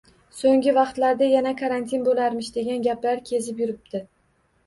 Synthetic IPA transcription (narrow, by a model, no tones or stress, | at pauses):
soŋɡʲɪvɑqt̪laɾd̪ajanakʰaɾant̪ʰinbolaɾmɪʃd̪e̞ɡʲanɡʲaplaɾkʲʰe̞zɪp̬jʊɾɪb̚d̪̥ɪ